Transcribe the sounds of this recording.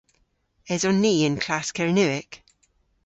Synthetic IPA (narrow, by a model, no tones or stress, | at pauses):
ɛzɔnːiːɪ̃nkʰl̥askɛɹnʉɪk